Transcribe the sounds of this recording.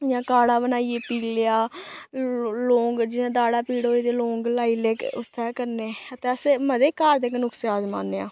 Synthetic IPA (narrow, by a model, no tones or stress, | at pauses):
jãːkaːɽaːbənaːieːpiːleaː | lõːŋɡd͡ʒɪnãːd̪aːɽaːpiːɽoːiːd̪eːlõːŋɡlaːiːleːkʊt̪ʰːɛːkəɾneːət̪eːəseməd̪eːkaːɾd̪eːknʊkseaːzma̰ːnːea̰ː